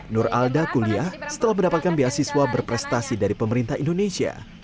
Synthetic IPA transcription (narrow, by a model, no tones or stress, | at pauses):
nura̰ldakuliahsə̥t̪əlahməndapat̪̚kanbeɦasiswabərpɾɛst̪asidaɾipəməɾint̪aɦindonesia̰